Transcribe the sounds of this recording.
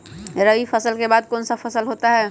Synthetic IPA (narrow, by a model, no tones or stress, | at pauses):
ɾəʋifʰəsəlkebaːd̪̚koːnsafʰəsəlɦot̪aɦɛː